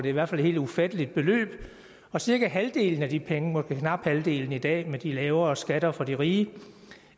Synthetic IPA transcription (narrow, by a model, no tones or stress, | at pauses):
d̥e̝iʋæɐ̰fælhe̝̰ld̥ufæd̥əlid̥̚b̥e̝lø̰ːb̥ | ɒ̽siɐɡ̥æɦæld̥e̝̰ːln̩æd̥ipʰeŋəmɒ̽sɡ̥əkʰnɑ̈b̥hæld̥e̝̰ːln̩id̥ɛ̰ːmed̥ilɛːʊɐ̽ːsɡ̥æɾɐfɒ̽diʁiːə